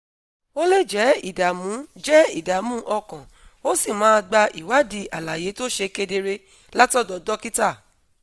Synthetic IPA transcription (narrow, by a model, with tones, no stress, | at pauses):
o˦le˦˨d͡ʒɛ˨˦i˦˨da˨mũ˨˦d͡ʒɛ˦i˦˨da˨˦mũ˦ʔɔ˧kã˨ | o˦si˦˨mãː˨˦˧ɡ͡ba˧ʔi˨wa˨˦di˧ʔa˨la˨je˨˦to˦ʃe˧ke˧de˧ɾe˧ | la˦tɔ˦˨dɔ˧dɔ˦ki˦ta˦˨